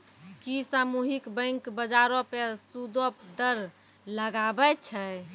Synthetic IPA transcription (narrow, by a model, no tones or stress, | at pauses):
kisamuɦikbə̃ŋkbəd͡ʒaɾõpesud̪opd̪əɾ | ləɡabɛt͡ʃʰɛ